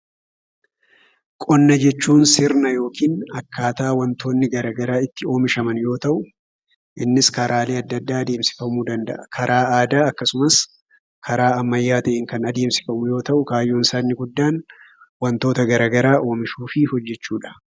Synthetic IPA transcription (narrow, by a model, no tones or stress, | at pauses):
kʼɔnːɐd͡ʒɛt͡ʃːuːnsɪɾnɐjo̞ːkiːnɐkːaːt̪aːwɐnt̪o̞ːnːɪɡɐɾɐɡɐɾaːɪt̪ːɪo̞ːmɪʃɐmɐnjo̞ːt̪ɐʔʊ | ʔɪnːɪskɐɾaːle̞ːɐd̪ːɐd̪ːaːɐd̪e̞ːmsɪ̥fɐmuːd̪ɐnd̪ɐ̰ʔɐkʰɐɾʔaːaːd̪aːɐkːɐsʊmɐs | kʰɐɾaːɐmːɐjːaːt̪ɐʔɪŋkɐnɐd̪e̞ːmsɪ̥fɐmʊjo̞ːt̪ɐʔʊkaːjːoːnsaːnːɪɡʊd̪ːaːn | wɐnt̪o̞ːt̪ɐɡɐɾɐɡɐɾaːʔo̞ːmɪʃuːfɪhɔd͡ʒːɛt͡ʃːuːᶑɐ̥